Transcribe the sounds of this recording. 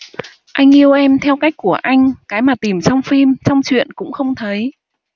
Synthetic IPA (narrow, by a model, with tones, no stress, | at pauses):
ʔa˧jŋ̟ʔi˧əwʔɛ˧mt̪ʰɛ˧wka˦˥jk̟̚ku˧˩əʔa˧jŋ̟kaː˨˦jmaː˨˩t̪i˨˩mt͡ɕɔ˧wŋ͡mfi˧mt͡ɕɔ˧wŋ͡mt͡ɕwḭ˧˨ənkʊ̰˧˥ŋ͡mxə˧wŋ͡mt̪ʰə˨˦j